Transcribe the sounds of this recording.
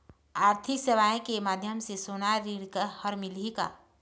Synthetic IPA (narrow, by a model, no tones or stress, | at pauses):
aːɾt̪ʰɪkseʋaːẽkemaːd̪ʱjəmsesoːnaɾiɽkəhəɾmɪlika̰ː